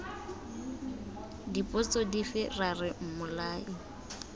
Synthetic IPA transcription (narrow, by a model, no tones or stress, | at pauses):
dipʼʊt͡sʼɔdifɪrarɪm̩mʊlaːɪ